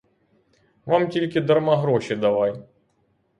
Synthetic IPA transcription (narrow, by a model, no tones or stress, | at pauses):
vamtʲilʲkʲɪd̪ɐrmɐɦɾɔɕɪd̪ɐʋaj